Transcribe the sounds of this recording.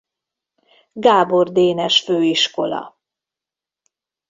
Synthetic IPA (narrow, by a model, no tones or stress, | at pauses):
ɡaːbo̞rd̪eːnɛʃføːiʃko̞lɒ̰